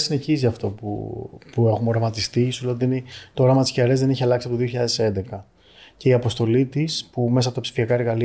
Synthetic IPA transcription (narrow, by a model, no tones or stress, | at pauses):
sine̞çiziɐft̪o̞pṵpue̞xumo̞ɾɐmɐt̪ist̪isulo̞nd̪init̪ooɾɐmɐt̪i̥sçeɾezðeniçiɐlɐksiɐpotoðio̞çiʎɐðe̞se̞nd̪e̞kɐ | ce̞iɐpo̞st̪o̞lit̪ispume̞s̬ɐpoɐpsi̥fiɐkɐeɾɣɐli